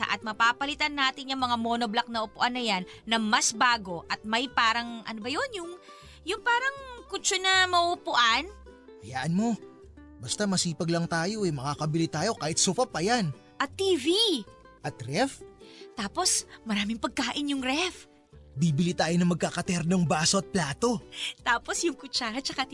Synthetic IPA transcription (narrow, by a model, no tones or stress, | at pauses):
ɐ̰ʔɐt̪̚mɐpaːpɐlɪt̪ɐnːaːt̪ɪɲɐŋmɐŋamo̞noblak̚nɐʔʊpʊʔɐnːɐjanːɐmɐsbaːɡo̞ʔɐt̪̚mɐjpaːɾɐŋʔɐ̰nobɐjo̞njʊŋ | jʊŋpaːɾɐŋkʊt͡ʃonɐmɐʔopʊʔan | ʔɐjaːʔɐnmo̞ | bɐst̪amɐsiːpɐɡlɐŋt̪aːjo̞ʔɐjmɐkaːkɐbɪlɪt̪aːjo̞kaːhɪt̪sʊpɐpːɐjan | ʔɐt̪ːiːvi | ʔɐt̪ɾɛft̪aːpo̞smɐɾaːmɪŋpɐɡ̚kaːʔɪnjʊŋɾɛf | biːbɪlit̪aːjo̞nɐŋmɐɡ̚kakɐt̪ɛɾnoŋbaːsoɐt̪̚plaːt̪o̞t̪aːpo̞sjʊŋkʊt͡ʃaɐt͡ʃɐka